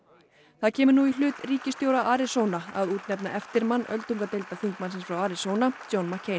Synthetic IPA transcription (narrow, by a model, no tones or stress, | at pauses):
θaðcʰɛːmʏɾnuilʏːt̪riːcɪst̪jowɾaʔaːɾɪsownaa̰ðuːt̪nɛpnaʔɛft̪ɪɾmanːœ̰lt̪uŋkat̪ejlt̪aθiŋkmansɪnsfɾawaːɾɪsoːwnat͡ɕownmacʰeːj